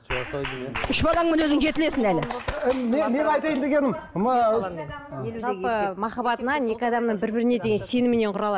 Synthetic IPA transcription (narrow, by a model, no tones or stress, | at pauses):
ʏʃbɑlˠɑŋmɪnwɵzɪŋʒe̞t̪ɪle̞sɪnælɪ̰meme̞nɑjt̪ɑjənd̪eɡʲe̞nɪmm | ʒɑlˠppəmɑχɑbɑt̪ənɑne̞kʲɪɑd̪ɑmnəɴbɪɾbɪɾɪne̞d̪e̞ɡʲe̞nse̞nɪmɪne̞ɴqʰʊɾɑlˠɑd